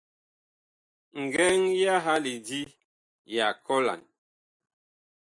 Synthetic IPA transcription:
ŋ̩˨ɡɛ˦ŋja˦ɦa˦li˨di˦ | ja˨kɔ˦la̰˨n

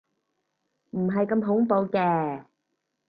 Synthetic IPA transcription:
m̩˨˩ɦa˧jkə˧mɦʊ˨˦ŋpo˨˧wkɛː˨˩

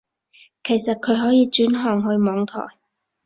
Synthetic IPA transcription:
kʰe˨˩jsɐ˨t̚kʰɵ˨˧ɥɦɔː˨˥jiː˨˧t͡ʃyː˨˥nɦɔː˨˩ŋɦɵ˧ɥmɔː˨˧ŋt̪ʰɔ̰ː˨˩j

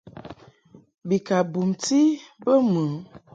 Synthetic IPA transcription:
bi˨ka˨bu˨mti˦bə˦mə˨

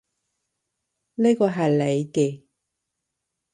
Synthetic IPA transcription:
neː˥kɔː˧ɦɐ˨jle˨˧jke˧

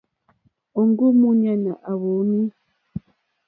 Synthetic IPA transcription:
o˨ŋɡu˦mu˦ɲa˦na˨ʔa˨βo˨˦ni˦

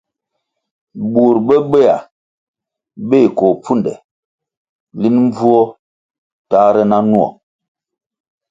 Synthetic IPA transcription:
bu˨ɾbə˦be˦a˨ | be˦˨kɔ˨p͡fu˦˨ndɛ̰˨ | li˦nm˦b͡vu˦ɔ˦ | ta˦ɾɛ˦na˦nu˦ɔ̰˨

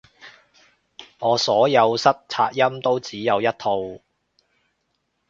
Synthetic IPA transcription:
ŋɔː˨˧sɔː˨˥jɐ˨˧wsɐ˥t̚t͡sʰaː˧t̚jɐ˥mt̪o˥wt͡siː˨˥jɐ˨˧wjɐ˥t̚t̪ʰo˧w

